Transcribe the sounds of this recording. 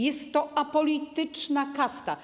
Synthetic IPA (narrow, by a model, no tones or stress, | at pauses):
jɛst̪ːɔapɔlʲit̪ɘt͡ʂnakast̪a